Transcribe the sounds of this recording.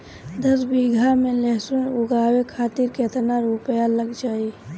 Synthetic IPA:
d̪əs̬biɡʱamẽleɦsunuɡawekʰaːt̪iɾket̪ʰnaɾupəjaləɡd͡ʒaːi

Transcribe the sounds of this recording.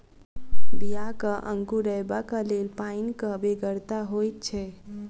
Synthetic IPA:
bijakəʔəŋɡuɾəjbakəlelpainkəbeɡəɾt̪aɦojt̪̚t͡ʃʰɛ

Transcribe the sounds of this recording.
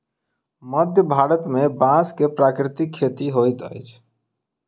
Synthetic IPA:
məd̪ʱjəbʱaɽət̪mebãskepɾakɾit̪ikʰːet̪iɦojt̪ə̰jt͡ʃʰ

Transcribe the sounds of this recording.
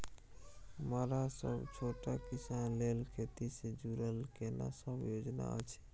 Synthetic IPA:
məɾasə̰bt͡ʃʰoʈakisanlelkʰet̪ised͡ʒuɾəlkena̰səbjod͡ʒna̰ə̰t͡ʃʰɛ̥

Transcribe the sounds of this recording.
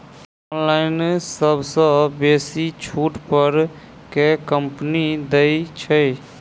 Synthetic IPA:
ɔnlaɪnsəbʱsə̃besit͡ʃʰuʈpəɾ | kekəmpnid̪əit͡ʃʰɛ

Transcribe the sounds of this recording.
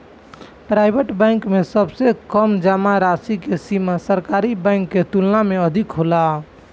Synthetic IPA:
pɾajbʱeʈbə̃ɪŋkmesəbsekəmd͡ʒamaɾasikesimasəɾkaɾibə̃ɪŋkːet̪ulnameəd̪ʱikɦola

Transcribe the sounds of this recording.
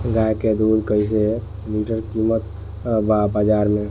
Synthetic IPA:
ɡajked̪ud̪kəjs̬e | liʈəɾkimət̪ | babad͡ʒaɾme

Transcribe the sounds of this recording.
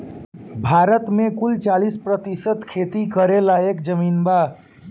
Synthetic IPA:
bʱaɾət̪mekult͡ʃalispɾət̪isət̪kʰet̪ikəɾelaekd͡ʒəminba

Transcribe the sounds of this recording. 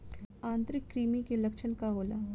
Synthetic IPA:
ãːnt̪ɾɪkːɾiːmikelɐkʃʰənkaɦoːla̰ː

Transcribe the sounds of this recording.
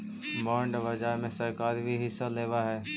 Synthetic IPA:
maːɳɖʋəd͡ʒaːɦmẽsəɾkaːɾbʱiɦɪsːaleːʋaɦɛː

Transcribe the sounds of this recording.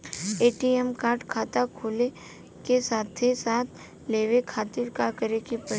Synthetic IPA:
eːʈiɛmkaːɾʈkʰaːt̪akʰoːle | kesaːt̪ʰesaːt̪ʰ | leːʋekʰaːt̪ɪɾkakəɾekepə

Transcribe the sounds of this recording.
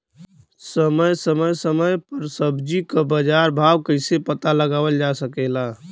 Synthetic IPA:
səməjsəməjsəməjpəɾsəbd͡ʒikəbəd͡ʒaɾbʱawkəɪsepət̪aləɡaʋəld͡ʒasəkɛla

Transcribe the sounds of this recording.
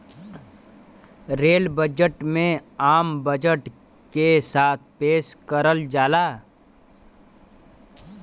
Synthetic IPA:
ɾeːlbəd͡ʒəʈmẽaːmbəd͡ʒəʈ | kesaːt̪̚ʰpeːʃkəɾəld͡ʒaːlaː

